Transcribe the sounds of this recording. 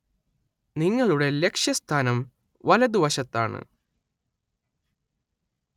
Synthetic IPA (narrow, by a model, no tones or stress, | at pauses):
niŋːɐɭuɽe̞le̞kʂjɐst̪ʰaːnɐm | ʋɐlɐd̪uʋɐɕɐt̪ːa̰ːɳɨ̰